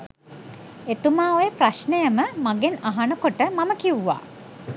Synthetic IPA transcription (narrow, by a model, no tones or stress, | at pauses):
et̪umaːojəpraʃnəjəməmaɡenaɦanəkoʈəmaməkiwuʋa̰ː